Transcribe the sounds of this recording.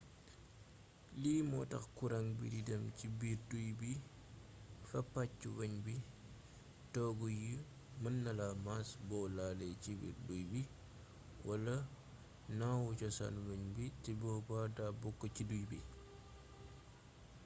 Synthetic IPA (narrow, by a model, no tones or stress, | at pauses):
liːmɔtɐ̰xkuɾaŋbididɐmcibiɾdujbi | fɐpːat͡ʃːuwɐɲbi | tɔːɡuji | mənːɐlamasbɔlalecibḭːɾdujbi | wɐlɐ | nawut͡ʃɔsa̰nwɐɲbitibɔbadabɔkːɔcidujbḭ